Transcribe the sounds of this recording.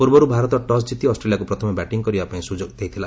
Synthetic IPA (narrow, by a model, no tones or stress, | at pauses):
puɾbɔɾubʱaɾɔt̪ɔʈɔsd͡ʒit̪iɔsʈɾelijakupɾɔt̪ʰɔmebɛʈiŋkɔɾibapaĩsud͡ʒoɡd̪ejt̪ʰila